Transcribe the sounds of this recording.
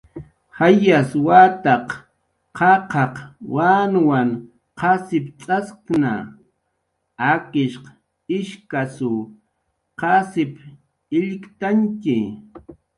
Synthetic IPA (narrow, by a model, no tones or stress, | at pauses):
hajaswaːt̪ɑq | qɑqʰɑqwaːnwaŋ | qɑsɪpt͡sʼaskna̰ | akɪʃq | ɪʃkasʊ | qɑsɪp | ɪʎɪkt̪aŋkɪ